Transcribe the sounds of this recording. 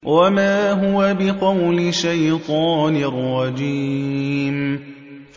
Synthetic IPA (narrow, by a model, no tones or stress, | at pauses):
wamaːɦʊwabɪqɑwlɪʃajt̪ˤɑːnɪrˤːɑd͡ʒi | m